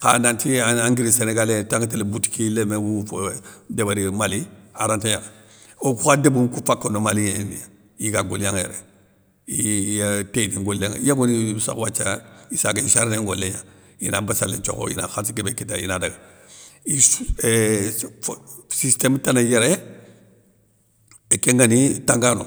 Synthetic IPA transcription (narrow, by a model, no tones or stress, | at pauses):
ka̰nantiaaŋɡiɾiseneɡaletaŋɡatelebuti̥kilemewu | debaɾimaliaɾantejaŋ | okuxadebukufakːonomalijanḭja | jiɡaɡoljaŋjḛɾe | ijtediŋɡolːeŋ̰jaɡonisa̰kwat͡ʃːaisaɡaiʃaɾneŋɡolːeja̰ | jḭnabasa̰lḛt͡ʃo̰ko̰jḭna̰xansɡebekita̰jḭnadaɡa | i | sistemtanajeɾe | ekeŋɡanitaŋɡano̰